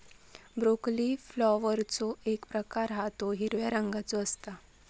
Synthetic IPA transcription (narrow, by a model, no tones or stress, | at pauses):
bɾokliflɔʋəɾt͡sɔekpɾəkaɾɦat̪oɦiɾʋjaɾəŋɡat͡sɔəst̪a